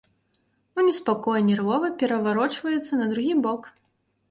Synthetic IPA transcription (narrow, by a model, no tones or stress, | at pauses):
unʲɛspakɔjnʲɛrvɔvɐpʲɛɾɐvaɾɔt͡ʂvɐjɛt̪sːɐnɐd̪ɾuɣʲibɔk